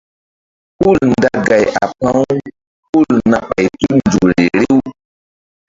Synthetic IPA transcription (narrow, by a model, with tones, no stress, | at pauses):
hu˦˨lnda˦ɡa˨jʔa˨pã˦w | hu˦˨lna˦ɓa˨jtu˦nd͡ʒu˨kɾe˨ɾe˦w